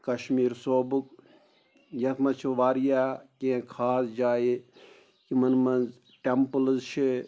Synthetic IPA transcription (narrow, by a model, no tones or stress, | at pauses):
kɐʃmiːɾsoːbuk | jɐt̪ʰmɐt͡ʃʰiʋaːɾjaːkẽːkʰaːsd͡ʒaːje | kimɐnmɐnz | ʈempɨlzʃʰi